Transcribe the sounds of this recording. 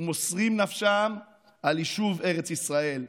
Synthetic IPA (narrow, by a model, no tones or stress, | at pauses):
mosʁimnafʃam | aliʃuve̞ʁet͡sisʁae̞l